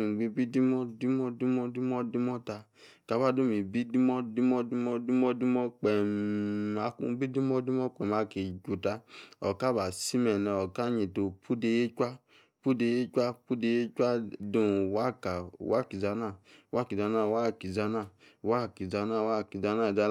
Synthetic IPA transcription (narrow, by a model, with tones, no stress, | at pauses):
ɡ͡bi˧˦bi˦di˦mɔ˦di˦mɔ˦di˦mɔ˦di˦mɔ˦di˦mɔ˦ta˧ | ka˨ba˦du˦mi˨bi˦di˦mɔ˦di˦mɔ˦di˦mɔ˦di˦mɔ˦di˦mɔ˦k͡pɛ˨ | a˨˦kṵ˦bi˦di˦mɔ˦di˦mɔ˦k͡pɛ˨ma˨ke˨d͡ʒu˨ta˦ɔ˨ka˦ba˨si˦mɛ˨nɛ˨ɔ˨ka˦ɲi˨to˨pʰu˦de˧je˦t͡ʃʷa˦ | pu˦de˧je˦t͡ʃʷa˦pu˦de˧je˦t͡ʃʷa˦dũ˨wa˦ka˨wa˦˨ki˨za˧na˦˨wa˦ki˨za˧na˦˨wa˦˨ki˨za˧na˦˨wa˦˨ki˨za˧na˦˨wa˦˨ki˨za˧na˦˨d͡ʒa˧